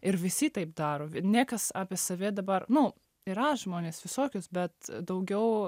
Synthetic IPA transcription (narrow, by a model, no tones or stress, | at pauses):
ɪɾʋʲɪsʲiːt̪ɐɪpd̪ɑːɾoːnʲiɛkɐsɑːpʲeːsɐʋʲeːd̪ɐbɐrnʊ | ɪɾɐʒmoːnʲeːsʋʲɪsoːkʲʊsbʲɛt̪d̪ɐʊɡʲɛʊ